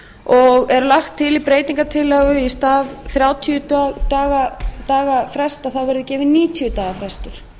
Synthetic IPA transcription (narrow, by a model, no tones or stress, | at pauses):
ɔɣɛɾlaxt̪ʰːɪlipɾeːjt̪iŋkat̪ʰɪlːɛɣʏist̪aːvθɾjaːwt̪ʰiʏtat̪aːɣat̪aːɣafɾɛst̪aθawvɛɾʏðɪcɛːvɪniːt̪ʰiʏt̪aːɣafɾɛst̪ʏɾ̥